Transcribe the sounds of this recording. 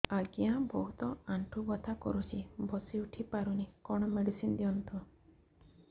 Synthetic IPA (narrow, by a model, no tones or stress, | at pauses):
aɡiãbɔɦut̪ɔaɳʈʰubɔt̪ʰakɔ̰ɾut͡ʃʰibʱɔsiuʈʰipaɾunikɔɽ̃ɔmeɽisind̪iɔnt̪ʰɔ